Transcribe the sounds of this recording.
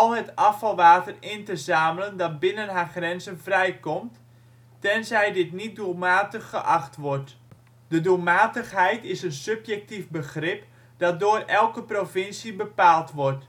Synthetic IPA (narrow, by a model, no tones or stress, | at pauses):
ɔlˠɦətɑfɑlˠʋaːtərɪntəzaːmələndɔt̚bɪnənɦarxrɛnzənvrɛjkɔmt | tɛnzɛjdɪtnit̚dulˠmaːtəxːəʔaxtʋɔrt | dədulˠmaːtəxɦɛjtɪsənsɵpjɛk̚tifbəxrɪp | d̥ɔt̚doːrɛlˠkəprofɪnsibəpaːlˠtʋɔrt